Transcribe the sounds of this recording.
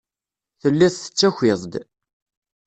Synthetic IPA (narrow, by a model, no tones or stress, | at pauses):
θəlːiθθə̥t͡sːæçʷɪðˤd̪